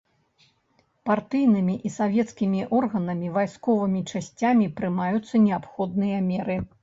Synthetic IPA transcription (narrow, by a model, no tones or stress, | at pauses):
part̪ɨjnɨmʲiʔisavʲɛt̪skʲimʲiʔɔrɣɐnɐmʲivajskɔvɨmʲit͡ʂasʲt͡sʲamʲipɾɨmajut̪sːɐnʲɛapxɔd̪̚nɨjɐmʲɛɾɨ